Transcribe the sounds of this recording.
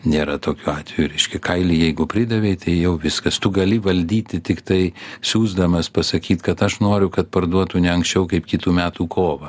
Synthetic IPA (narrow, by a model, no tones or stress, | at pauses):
nʲeːɾɐt̪oːkʲuːɑːt̪ʲʋʲɛjuɾʲɛɪʃʲkʲɛkɐɪlʲijɛɪɡʊpʲɾʲɪd̪ɐʋʲɛɪt̪ɐɪjɛʊʋʲɪskɐst̪ʊɡɐlʲɪʋɐlʲd̪ʲiːt̪ʲɪt̪ʲɪkt̪ɐɪsʲuːzd̪ɐmɐspɐsɐkʲiːt̪kɐt̪ɐʃnoːɾʲʊkɐt̪̚pɐrd̪uɔt̪ʊnʲɛɐŋksʲt͡ʃʲɛʊkɐɪpkʲɪt̪uːmʲæːt̪uːkʰoːʋɐ